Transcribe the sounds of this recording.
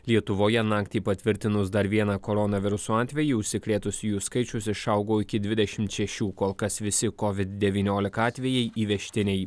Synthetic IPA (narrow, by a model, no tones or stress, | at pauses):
lʲiɛt̪ʊʋoːjɛnɑːkt̪ʲiːpɐt̪ʲʋʲɪɾʲt̪ʲɪnʊsd̪ɐɾʋʲiɛnɑːkoːɾɔnɐʋʲɪɾʊsuːɑːt̪ʲʋʲɛjiːʊʃʲsʲɪkɾʲeːt̪ʊsʲjuːskɐɪt͡ʃʲʊsɪʃɐˑʊɡoːɪkʲɪd̪ʲʋʲɪd̪ʲɛʃʲɪmt̪ʃʲɛʃʲuːkoːlˠkɐsʋʲɪsʲɪkɔʋʲɪt̪̚d̪ʲɛʋʲiːnʲoːlʲɪkɐɑːt̪ʲʋʲɛjɛɪʔiːʋʲɛʃʲt̪ʲɪnʲɛɪ